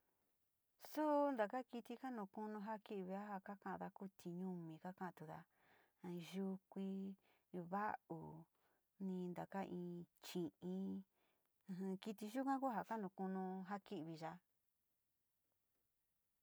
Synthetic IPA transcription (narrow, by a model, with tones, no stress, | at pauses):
su˦nd̪a˨ka˦ki˧t̪i˧ka˦nũ˧˨kũ˦nũ˧ɦa˦ki˦ʔβi˧a˦ɦa˧ka˦kã˧˦ʔã˧ða˧ku˦t̪ʰi˧ɲũ˧mĩ˧ka˦kã˧˦ã˧t̪u˧ða̰˧ | ʒu˧kʷi˧ | βa˦ʔu˨ | nĩ˧nd̪a˨ka˦ʔĩː˧t͡ʃĩ˨ʔĩ˧˦˧ | ɦki˧t̪i˧ʒu˦kʷã˦ku˦ɦa˨ka˦nũ˧˨˧kũ˦nũ˧ɦa˦ki˦ʔβi˧ʒa˧